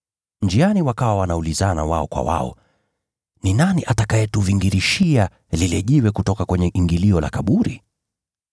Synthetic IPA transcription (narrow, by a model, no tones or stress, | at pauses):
nd͡ʒianiwakawawanaulizana̰waɔkwa̰wa̰ɔ̰ | ninaniʔatakajɛtuviŋɡiɾiʃia | lilɛʄiwɛkutɔkakwɛɲɛʔiŋɡiliɔla̰kaɓuɾi